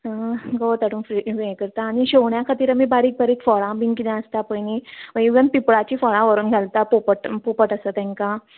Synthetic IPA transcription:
əɡot̪aʈũnfɾiʋẽkəɾt̪aːñiɕowɳjakʰat̪iːɾəmibaɾiːk̚baɾiːkfɔɭãbʱĩŋkid̪ãəst̪apəjniʋəjɡənpipɭat͡ɕiːfɔɭãʋəɾuːnɡʱalt̪apopəʈpopəʈəsət̪ɛ̃ŋkã

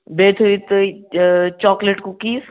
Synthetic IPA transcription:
beːt̪ʰuit̪ | t͡ʃɔːkleʈkukiːs

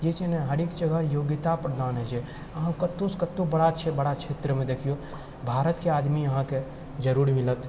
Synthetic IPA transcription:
d͡ʒet͡ʃenẽɦɐɾekd͡ʒəɡʱəjoːɡɪt̪apɾəd̪aːnɦɛd͡ʒe | ɐɦãkɐt̪ːoskət̪ːõbɐɽat͡ʃʰebəɽakt͡ʃʰeːt̪ɾəmẽd̪eːkʰijo | bʱaːɾət̪keaːd̪mijɐɦãke | d͡ʒəɾuːɾimɪlət̪

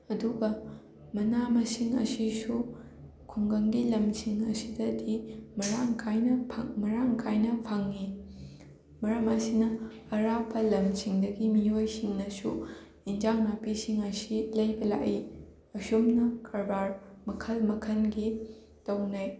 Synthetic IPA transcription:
ɐduɡɐ | mɐnamɐsiŋɐ̰sisu | kʰuŋɡɐŋɡilɐmsiŋɐsidɐdimɐɾaŋkʰajnɐpʰa̰ŋmɐɾaŋkʰajnɐpʰaŋːi | mɐɾɐmɐsinɐɐɾapʰːɐlɐmsiŋdɐɡimiojsiŋnɐsu | ind͡ʒaŋnapisiŋɐsilɐjbɐla̰ʔi | ɐsumnɐkʰɐɾbaɾmɐkʰɐlmɐkʰɐnɡi | tɐwnɐj

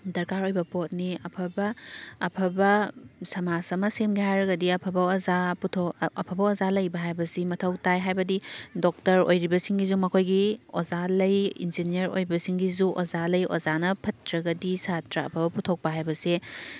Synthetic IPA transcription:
dɐɾkaɾojbɐpot̚niɐpʰɐbɐːpʰɐbɐsɐmasɐmɐsemɡihajɾɐɡɐdiɐpʰɐbɐozaputʰoɐpʰɐbɐozalɐjbɐɦajbɐsimɐtʰɐwtajɦajbɐdidok̚tɐɾo̰jɾibɐsiŋɡizuŋmːɐkʰojɡiozalɐjḭnd͡ʒinijɐɾo̰jbɐsiŋɡizuʔozalɐjo̰zanɐpʰɐtɾɐɡɐdisatɾɐɐ̰pʰɐbɐputʰok̚pɐɦajbɐse

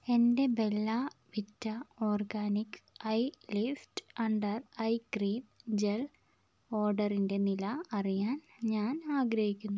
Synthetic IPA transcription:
e̞nde̞be̞lːɐʋitːɐo̞ːrɡaːnikːɐjlifʈɐɳɖɐrɐjkriːmd͡ʑel | o̞ːrɖɐrinde̞nilɐɐrijaːn | ɲaːnaːɡɾɐɦikʲːunːu

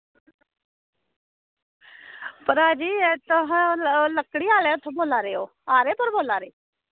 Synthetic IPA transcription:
pəɾaːd͡ʒiːt̪əɦləkːɽiːaːleat̪ʰõboːlaːɾeːoː | aːɾeːpəɾboːlaːɾeː

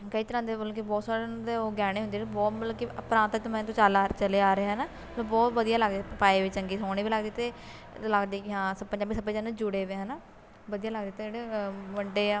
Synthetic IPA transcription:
kəiːt̪əɾãːd̪eːoloːkebɔːt̪saːɾed̪eoɡɛːɽ̃ẽːɦʊnd̪eːbɔːt̪olõkiəpɾãːnt̪ːt̪əmɛ̃ːt̪õːt͡ʃaːlaːt͡ʃəleːaːɾəeːɛːnaː | t̪obɔːt̪ʋəd̪ijaːləɡd̪eːpaːeːʋiːt͡ʃəŋɡiːsoːɽ̃iːbiːləɡd̪iːt̪eː | ləɡd̪iːɦãːsəpːəɲd͡ʒaːbiːsəbpːə̃d͡ʒãːned͡ʒʊɽeːʋeːɛːnaː | ʋəd̪ijaːləɡ̚d̪iːt̪ed͡ʒeːɽeməɳɖeːaː

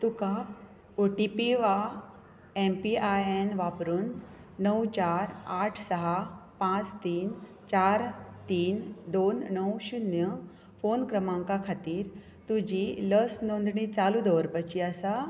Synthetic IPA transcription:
t̪uka | oʈipiʋa | empiajenʋapɾuːnː | əwt͡ɕaɾaʈʰsəɦapãt͡st̪iːn | t͡ɕaɾt̪iːnd̪onːəwɕunjə | fonkɾəmãŋkakʰat̪iːɾ | t̪ud͡ʑiləsnond̪ʱɳit͡salud̪əʋɾpət͡ɕiasa

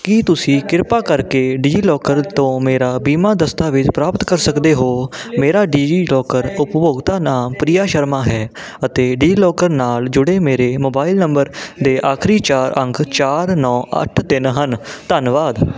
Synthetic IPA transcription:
kit̪ʊsĩːkɪɾpaːkəɾkeːɖiːd͡ʒlɔːkəɾt̪õːmeːɾaːbiːmaːd̪əst̪aːʋɪt͡ʃpɾaːpət̪kəɾsəkd̪eːɦoːmeːɾaːɖiːd͡ʒiːlɔːkəɾʊpboːɡt̪aːnaːmpɾijaːʃəɾmaːɦɛː | ət̪eːɖiːlɔːkəɾnaːld͡ʒʊɽeːmeːɾeːmoːbaːɪlnəmbəɾd̪eːʔaːkʰɾiːt͡ʃaːɾʔə̃ŋkʰt͡ʃaːɾnɔːʔə̰ʈʰt̪ɪnɦənt̪ənʋaːd̪

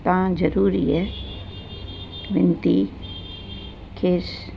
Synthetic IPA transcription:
t̪ãːd͡ʒɐɾuːɾiɦɛ | ʋɪnt̪i | kʰeːs

